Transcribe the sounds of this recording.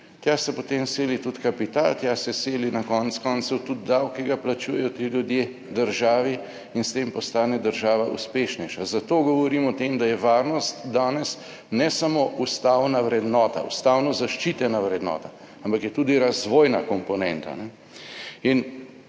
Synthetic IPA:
t̪jaːsɛpot̪emseːlit̪ut̪kapit̪a̰lt̪jaːsɛseːlinakɔntskɔːnt̪suwt̪ud̪̚ːawkiɡaplat͡ʃuːjɛjɔt̪iljud̪je | d̪əɾʒaːʋi | inst̪empɔst̪aːnɛd̪əɾʒaːʋaṵspeːʃnɛjʃazat̪oːɡɔʋɔɾiːmɔt̪emd̪ajɛʋaːɾnɔst̪d̪aːnɛs | nɛsamoʔust̪awnaʋɾɛd̪nɔːt̪a̰ṵst̪awnɔzaʃt͡ʃit̪ɛnaʋɾɛd̪nɔ̰ːt̪a | ampakjɛt̪uːd̪iɾazʋoːjnakɔmpɔnɛnt̪a̰nɛ | in

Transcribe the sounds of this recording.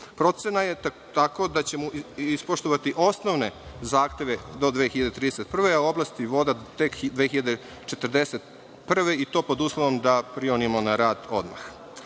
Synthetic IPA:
pɾo̞t̪se̞naje | t̪ako̞d̪at͡ɕe̞muispoʃt̪oʋat̪iʔo̞snoʋne̞zaːxt̪e̞ʋed̪o̞d̪ʋexiʎad̪et̪ɾid̪eset̪̚pr̩ʋeaoblˠast̪iʋo̞d̪at̪ekd̪ʋexiʎad̪e | t͡ʃet̪r̩d̪eset̪ | pr̩ʋeit̪o̞ːpo̞d̪uːslˠoʋo̞md̪apɾionimonaɾaːd̪o̞d̪ma̰x

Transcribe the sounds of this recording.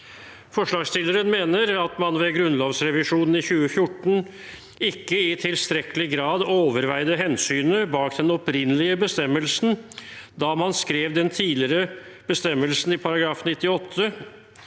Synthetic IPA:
fɔʂɭɑːɡst̪ɪləɾənmeːnəɾɑt̪mɑnʋɛɡɾʉnloːʋsɾɛʋɪʂuːnn̩ɪçʉːəfjʊʈɳ̩ | ɪkːəɪt̪ʰɪlst̪ɾɛkəlɪɡɾɑːd̪oːʋəɾʋæɪd̪əɦɛnsyːnəbɑːkd̪ɛnɔpɾɪnːəlɪəbəst̪ɛmːəlsn̩d̪ɑːmɑnskɾeːʋd̪ɛnt̪ʰiːlɪɾə | b̥əst̪ɛmːəlsn̩ɪpʰɑɾɑɡɾɑːfnɪt̪ːɪɔt̪ʰːə

